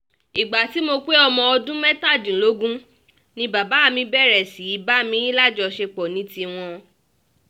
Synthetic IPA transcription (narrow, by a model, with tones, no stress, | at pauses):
i˨ɡ͡ba˨ti˨˦mo˧k͡pe˦ɔ˧mɔ̃˧ɔ˧dũ˦mɛ˦ta˦˨d͡ʒĩ˨lo˨˦ɡũ˦ | nĩ˧ba˨ba˨˦a˦˨mĩ˧bɛ˦˨ɾɛ˨si˨i˨˦ba˨˦mĩ˧˦i˦la˦˨d͡ʒɔ˧ʃe˧k͡pɔ˨nĩ˨˦ti˧w̃ɔ̃˧